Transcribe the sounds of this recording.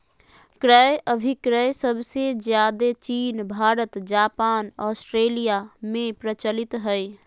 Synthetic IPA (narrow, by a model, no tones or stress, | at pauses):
kɾəjʔəbʱɪkɾəjsəbsed͡ʒjaːd̪et͡ʃiːnbʱaːɾət̪d͡ʒaːpaːnɔːsʈɾeːlijamẽpɾət͡ʃəlɪt̪ɦəj